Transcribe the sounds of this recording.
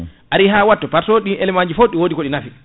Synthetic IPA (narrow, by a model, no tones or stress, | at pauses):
ʔaɾiɦawatːɔpaɾtoɗinɛlɛmaɲd͡ʒifoɗiwodikoɗinafi